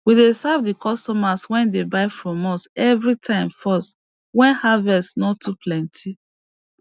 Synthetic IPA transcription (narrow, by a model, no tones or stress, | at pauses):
widesavdikɔstɔmaswɛ̃ndebaɪfɹɔ̃mɔsɛvɹitʰãɪ̃mfɔst | wɛ̃nhavɛsnɔtʰːupʰlɛ̃ntʰi